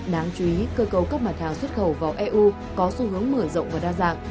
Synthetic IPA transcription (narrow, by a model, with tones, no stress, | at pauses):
ɗaː˨˦ŋt͡ɕu˨˧ʔi˨˦kəː˧kə˨˧˩wka˦˥p̚ma˨˩t̚haː˨˩ŋswə˦˥t̚xə˧˩wvaː˨˩wʔɛ˧ʔu˧ | kɔ˨˦su˧hɨ˨˦əŋməː˧˩jzə̰˧˨wŋ͡mvaː˨˩ɗaː˧za̰ː˨˩k̚